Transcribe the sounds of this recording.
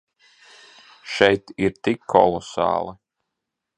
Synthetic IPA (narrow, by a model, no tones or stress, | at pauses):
ʃɛjt̪iɾt̪ikʰːɔ̰lˠɔsɑ̰ːlˠi